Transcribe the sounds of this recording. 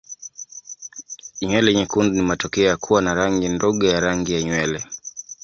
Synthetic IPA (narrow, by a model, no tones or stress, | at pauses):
ɲwɛlɛɲɛkundunimatɔkɛɔjakʰuwanaɾaŋɡindɔɠɔjaɾaŋɡijaɲwɛlɛ